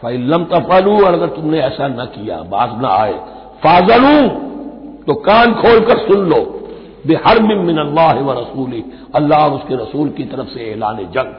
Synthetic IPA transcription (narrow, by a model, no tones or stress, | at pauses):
fɐɪlːɐmt̪ɐfɐluːɔːɾɐɡəɾt̪ʊmneɛːsanɐkija̰ːbaːznɐ̰a̰ːḛː | faːzɐlũː | t̪okaːnkʰoːlkɐɾsʊnloː | bɪhɐɾmɪmmɪnɐlːaːɦɪʋɐɾɐsuːlɪɦ | ɐlːaːɦɔʊskeɾɐsuːlkit̪ɐɾəfseeːlaːned͡ʒɐ̃ŋɡ